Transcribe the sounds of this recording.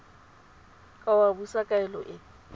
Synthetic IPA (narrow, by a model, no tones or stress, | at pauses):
kʼawabusakʼaɛlɔʔɪ